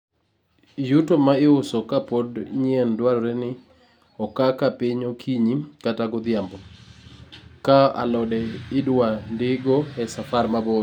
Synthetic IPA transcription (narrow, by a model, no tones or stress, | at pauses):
jutomaɪʊsɔkapodɲiendwaɾɔɾɛnɪ | ɔkakapɪɲokʰiɲikataɡɔd̪ɪjambɔ | kaa̰lɔdɛɪdwandɪɡoɛsafarmabo